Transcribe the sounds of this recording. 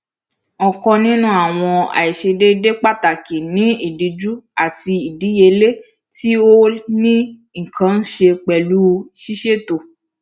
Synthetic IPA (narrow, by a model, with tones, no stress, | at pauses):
ɔ˨kɔ̃˧nĩ˦nũ˦a˨w̃ɔ̃˧a̰˨i˨ʃe˧de˦de˦k͡pa˦ta˨ki˨nĩ˨˦i˨di˨˧d͡ʒu˦a˦˨ti˧i˨di˨˦je˧le˦ | ti˦o˦nĩ˦ | ŋ̩˨kʰã˧˦n̩˦ʃe˧k͡pɛ˨lu˦˧ʃi˦ʃe˦˨to˨